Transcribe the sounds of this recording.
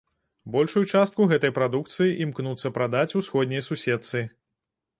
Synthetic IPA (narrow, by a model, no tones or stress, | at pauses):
bɔlʲʂujut͡ʂast̪kuɣɛt̪ɐjpɾad̪uk̚t̪sɨjiʔimknut̪sːɐpɾad̪at͡sʲusxɔd̪ʲnʲɐjɐsusʲɛt̪sɨ